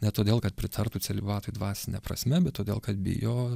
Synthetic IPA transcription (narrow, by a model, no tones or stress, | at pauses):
nʲɛt̪oːd̪ʲeːlˠkɐt̪pʲɾʲɪt̪ʰɐrt̪ut͡s̪ʲɛlʲɪbɑːt̪oɪd̪ʋɑːsʲɪnʲɛ̰pɾɐ̰sʲmʲɛbʲɛt̪t̪ːoːd̪ʲḛːlˠkɐt̪bʲɪ̰joː